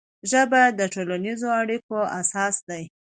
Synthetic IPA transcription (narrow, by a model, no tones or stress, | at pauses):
ʒəbad̪əʈolanizoaɽikoasɑsd̪aj